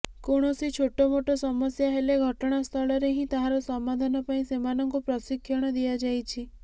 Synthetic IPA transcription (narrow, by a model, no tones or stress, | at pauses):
koɽ̃ɔsit͡ʃʰoʈɔmoʈɔsɔmɔsjaɦeleɡʱɔʈɔɽ̃ast̪ʰɔɭɔɾeɦĩt̪aɦãɾɔsɔmːad̪ʱanɔpaĩsemanɔŋkupɾɔsikʰːjɔɽ̃ɔd̪iad͡ʒajt͡ʃʰi